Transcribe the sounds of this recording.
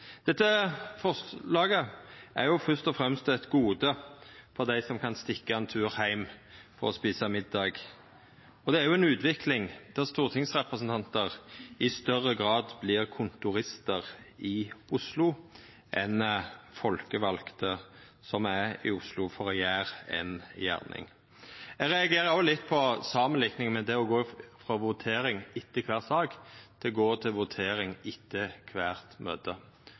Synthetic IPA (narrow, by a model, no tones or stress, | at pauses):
d̪̥ɛt̪ːəfɔslɑːɡəʔæɾjʊfœst̪ɔfʁɛmst̪ɛt̪ɡuːd̪əfɔʁd̪æɪsɔmkʰɑnst̪ɪkːəɛnt̪ʰʉːʁhæɪmfɔʁɔspiːsəmɪd̪ːɑːɡ | ɔd̪ɛæɾjʊɛnʉːt̪ʋɪklɪŋd̪̥æʁst̪uːʁt̪ʰɪŋsʁɛpʁəsənt̪ɑnt̪əʁɪst̪œʁːəɡʁɑːd̪blɪʁkʰʊnt̪ʊɾɪst̪əʁɪʊslʊ | ʔɛnfɔlkəʋɑlkt̪ə | sɔmæɪ̰ʊslʊfɔʁjæːʁɛ̰njæ̰ːʁnʔɪ̰ŋ | ɛːɡʁɛɑɡeːɾəɾɔːlɪt̪ːpʰɔsɑːmənlɪknɪŋmɛd̪ɛɔɡoːfʁɑʋʊt̪ʰeːɾɪŋɪt̪ːəkʰʋæːʁsɑːɡd̪̥ɛɡoːt̪ʰɪlʋʊt̪ʰeːɾɪŋɪt̪ʰːəkʰʋæːʁt̪møːt̪ə